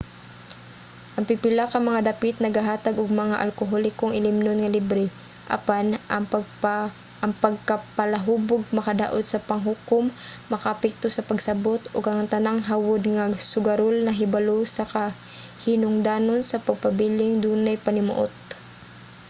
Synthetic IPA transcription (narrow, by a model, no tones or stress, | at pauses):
ʔɐŋpipɪlakɐŋmɐŋad̪ɐpit̪̚nɐɡaɦaːt̪aɡʔoɡ̚mɐŋaʔɐ̰lkoɦolɪkoŋʔɪlɪmnonŋɐlibɾɪ | ʔa̰pan | ʔɐŋpɐɡ̚kapɐlɐɦuːboɡ̚mɐkɐd̪a̰ːʔot̪̚sɐpɐŋɦʊkomː | ɐkaʔɐpɛk̚t̪osɐpɐɡsɐbot̪oɡʔɐŋt̪ɐnaŋɦawod̪ŋasʊɡɐɾolnɐɦɪbalosɐka | hɪnʊŋd̪aːnonsɐpɐɡ̚pɐbiːlɪŋd̪uːnajpɐnɪmʊ̰ʔo̰t̪̚